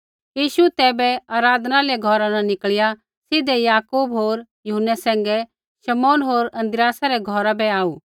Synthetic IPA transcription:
jiːʃuɛt̪ɛːbɛaːɾaːd̪naleaɡʱɔɾanãnɪkɭɪja | sɪd̪ɛjaːkuːbɦoːɾjʊɦənːɛsɛ̃ːŋɡɛ | ʃɐmoːnɦoːɾɐ̃nd̪ɾɪjaːsaɾɛɡʱɔːɾabɛaːuː

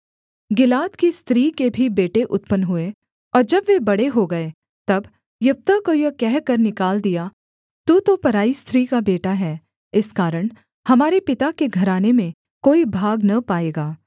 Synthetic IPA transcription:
ɡɪlaːt̪kist̪ɾiːkebʱibeːʈeʔʊt̪pənɦʊe | ɔːɾd͡ʒɐbʋebɐɽeɦoɡɐe | t̪ɐb | jɐp̚t̪əkojɐkɛɦkɐɾnɪkaːld̪ija | t̪ut̪opɐɾaːist̪ʰɾiːkabeːʈaɦɛː | ɪskaːɾəɽ̃ | hɐmaːɾepɪt̪akeɡʱɐɾaːnemẽ | koːibʱaːɡnɐpaːeːɡaː

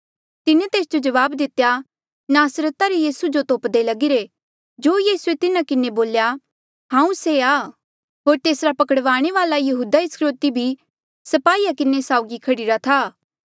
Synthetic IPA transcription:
t̪ɪnet̪eːsd͡ʒod͡ʒɐʋaːbd̪ɪt̪ːeja | naːsɾət̪aɾejiːsud͡ʒot̪oːpd̪elɐɡɪɾe | d͡ʒoːjiːsuet̪ɪnãkɪneboːlja | ɦãːũseaː | ɦoːɾt̪eːsɾapɐkəɽʋaːɽ̃eʋaːlajɐɦuːd̪aɪskɾoːt̪ibʱi | sɐpaːiːakɪnesaːʊɡikʰɐɽiɾat̪ʰaː

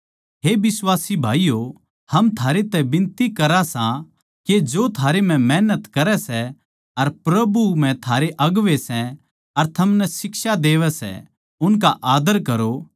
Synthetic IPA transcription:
ɦeːbɪswaːsibʱaːijo | hɐmt̪ʰaːɾet̪ɛbɪ̃nt̪ikɐɾasã | ked͡ʒoːt̪ʰaːɾem̤ɛ̃mɛːnət̪kɐɾɛsɛ | ɐɾpɾɐbum̤ɛ̃t̪ʰaːɾeʔɐɡʋesɛ̃ | ɐɾt̪ʰɐmnɛsɪksad̪eːʋɛsɛ̰ | ʊnkaʔaːd̪əɾkɐɾo

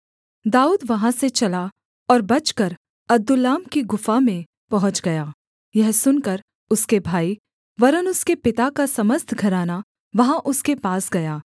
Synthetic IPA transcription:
d̪aːuːd̪ʋɐɦãset͡ʃɐla | ɔːɾbɐt͡ʃkɐɾ | ɐd̪ʊlːaːmkiɡʊfamẽ | pɐɦʊ̃t͡ʃɡɐjaː | jɛɦsʊnkɐɾ | ʊskebʱaːi | ʋɐɾənʊskepɪt̪akasɐməst̪ʰɡʱɐɾaːna | ʋɐɦãʔʊskepaːsɡɐjaː

